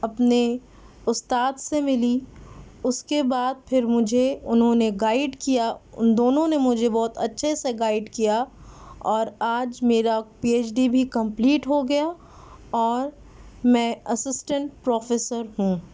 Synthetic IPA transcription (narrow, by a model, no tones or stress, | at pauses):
ɐpne | ʊst̪aːd̪semɪli | ʊskebaːd̪̚pʰɪɾmʊd͡ʒʱeʊnɦõneɡaːɪɖkijad̪oːnõnemʊd͡ʒʱebɔːt̪ɐtːʃʰeseɡaːɪɖkija | ɔːɾaːd͡ʒmeːɾapieːt͡ʃɖibʱikɐ̃mpliːʈɦoɡɐja | ɔːɾ | mɛ̃ːɐsɪsʈə̃ɳʈ̚pɾɔːfeːsəɾɦũː